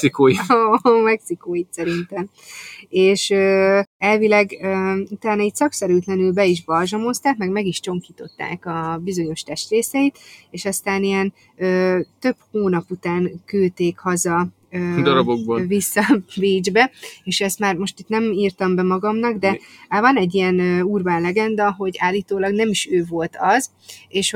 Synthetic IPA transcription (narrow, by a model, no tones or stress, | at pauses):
sikoːjimɛksikoːjit̪sɛɾint̪ɛm | eːʃøːɛlvilɛɡøut̪aːnɒit̪sɒksɛɾyːt̪lɛnylbɛiʒbɒlʒɒmo̞st̪aːkmɛɡmɛɡiʃt͡ʃo̞ŋkiːt̪o̞t̪ːa̰ːkɒbizo̞ɲo̞ʃt̪ɛʃt̪reːsɛit̪eːʃɒst̪aːnijɛn | øːt̪ø̞phoːnɒput̪aːŋkylt̪eːkhɒzɒ | ød̪ɒɾɒbokbovisːɒbiːd͡ʒbɛeːʃɛst̪maːrmo̞ʃt̪it̪nɛmiːrt̪ɒmbɛmɒɡɒmnɒɡd̪ɛvɒnɛɟːijɛnøːuːrbaːnlɛɡɛnd̪ɒɦo̞ɟaːlːiːt̪oːlɒɡnɛmiʃøːvo̞lt̪ʰɒz | eːʃ